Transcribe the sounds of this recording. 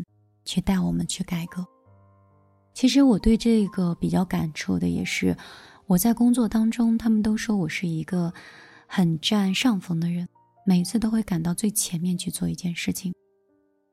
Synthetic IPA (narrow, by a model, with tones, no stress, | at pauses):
t͡ɕʰy˥˧t̪a˥˩ɪwɔ˨˩mə˦nt͡ɕʰy˥˩ka˨˩ɪkɤ˧˥˦ | t͡ɕʰi˧˥ʂ̬ɻ̩˧˥wɔ˨˩t̪we˥˧ɪʈ͡ʂɤ˥˩ɡə˩pi˨˩t͡ɕjɑ˥˩ʊka˨˩nʈ͡ʂʰu˥˩d̪ə˦jɛ̰˨˩ʂɻ̩˥˩ | wɔ˨˩t͡sa˥˩ɪkʊ˥ŋt͡swɔ˥˩t̪ɑ˥ŋʈ͡ʂʊ˥ŋt̪ʰa˥mə˨nt̪o˥ʊʂwɔ˥wɔ˨˩ʂɻ̩˥˩i˧˥ɡə˧ | xə˨˩nʈ͡ʂa˥˧nʂɑ˥˩ŋfɤ˧˥ŋd̪ə˧ɻə˧˥n | me˨˩ɪ˧˥t͡sʰɹ̩˥˩t̪o˥ʊxwe˥˩ɪka˨˩nt̪ɑ˥˧ʊt͡swe˥˩ɪt͡ɕʰjɛ˧˥nmjɛ˥˧nt͡ɕʰy˥˧t͡swɔ˥˧i˧˥t͡ɕjɛ˥˧nʂɻ̩˥˩t͡ɕʰi˩ŋ